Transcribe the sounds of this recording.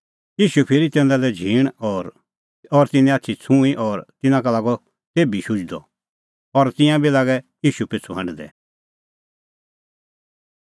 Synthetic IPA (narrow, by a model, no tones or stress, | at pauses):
jiːʃupʰɪɾit̪ɛ̃ːnd̪alɛd͡ʒʱiːɽ̃ɔːɾ | ɔɾt̪ɪnɛ̃atːt͡ʃʰit͡sʰũiʔɔːɾt̪ɪnãkɐlaːɡɔ | t̪eːbiʃʊd͡ʒd̪ɔ̰ | ɔɾt̪ɪ̃jãbilaːɡɛjiːʃupet͡sʰuɦɐ̃nɖd̪ɛ̰